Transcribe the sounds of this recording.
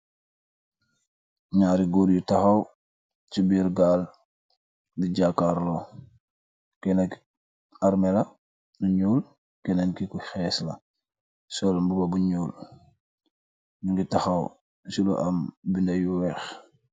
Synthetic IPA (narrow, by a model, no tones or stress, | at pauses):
ɲaːɾiɡuːɾjutaxaw | t͡ʃibiɾɡaːl | biɟakaɾlɔ | kɛnak | aɾmela | nuɲuːl | kɛnaŋkikuxɛsla̰ | sɔlmbubabuɲuːl | nuŋɡitaxɐw | sulɔ̰ʔambindɐjuwɛx